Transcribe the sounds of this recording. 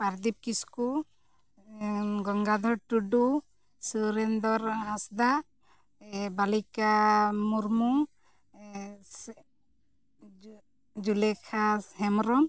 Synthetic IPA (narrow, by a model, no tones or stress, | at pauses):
paɾd̪ip̚kisku | ɡɔŋɡad̪ʱɔɾʈuɖu | suɾɛnd̪ɔɾasd̪a | balikamuɾmu | d͡ʒulɛkʰahɛmɾɔm